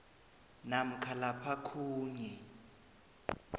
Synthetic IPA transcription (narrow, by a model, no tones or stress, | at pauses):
nam̩kʰalapʰakʰuːɲɛ